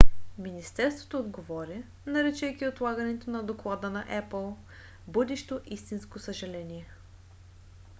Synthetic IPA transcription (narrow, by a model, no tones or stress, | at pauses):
minist̪ɛɾst̪vo̥t̪ood̪ɡovɔɾʲə | nɐɾɛt͡ʃɛjkʲiot̪lˠaɡənɛt̪onɐd̪oklˠad̪ənɐʔɛpəlˠ | bɤd̪ɛʃt̪oʔist̪inskosəʒɐlɛnʲiɛ